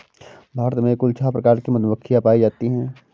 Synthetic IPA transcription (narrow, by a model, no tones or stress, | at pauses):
bʱaːɾət̪mẽkʊlt͡ʃʰapɾɐkaːɾkimʊt̪bəkʰːijapaːid͡ʒaːt̪iɦɛ̃ː